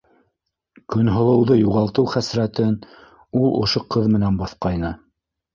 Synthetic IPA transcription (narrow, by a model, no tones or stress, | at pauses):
kɵ̆nɦŏlˠɤ̆wðɤjuʁɑlˠt̪ɤwχæsɾæt̪ɘn | ulˠʔŏ̰ʃoqɤðmɘ̆nænbɑθqɑjnɤ